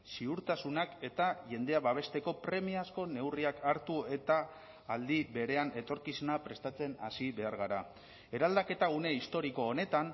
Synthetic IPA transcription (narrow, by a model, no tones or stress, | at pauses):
siuɾt̪asunake̞t̪aʝe̞nd̪e̞aβaβ̞e̞st̪e̞ko̞pɾe̞miasko̞ne̞wriakaɾt̪ue̞t̪aː | ld̪iβe̞ɾe̞ane̞t̪o̞ɾkisunapɾe̞st̪at͡se̞nasiβe̞aɾɣ̞aɾa | e̞ɾald̪ake̞t̪aɣ̞une̞ist̪o̞ɾiko̞ːne̞t̪an